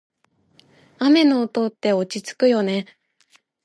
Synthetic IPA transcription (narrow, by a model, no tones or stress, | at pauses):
ame̞noːt̪o̞t̪ːe̞o̞t͡ɕit͡sɨ̥kɯ̟jo̞ne̞